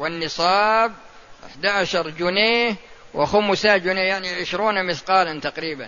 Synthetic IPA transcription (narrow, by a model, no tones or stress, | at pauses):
wɪnːɨsˤɑːb̚ | ʔɪ̰ħd̪aʕaʃɑɾˤd͡ʒʊneːh | wʔɪxʊmsad͡ʒʊneːjaʕniʕɪʃɾuːnamɪθqɑːlant̪aqɾiːba̰n